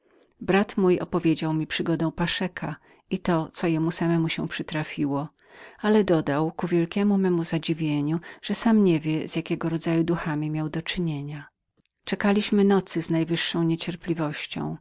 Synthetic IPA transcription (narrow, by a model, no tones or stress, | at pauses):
bɾat̪mujɔ̰pɔvʲjed͡ʑawmʲipʂɘɡɔd̪ɔ̃w̃paʂɛkʰa | it̪ɔt̪sɔjɛmusamɛmuɕɛ̃pʂɘt̪ɾafʲiwɔ | alɛd̪ɔd̪awkuvʲjɛlkʲɛmumɛmuzad͡ʑivʲjeɲuʐ̥ɛsamɲevʲjɛz̥ʲjakʲɛɡɔɾɔd̪zajud̪uxamʲimʲjawd̪ɔt͡ʂɘɲeɲa | t͡ʂɛkalʲiɕmɘnɔt̪sɘznajvɘʂːɔ̃w̃ɲet͡ɕɛɾplʲivɔɕt͡ɕɔ̰̃w̃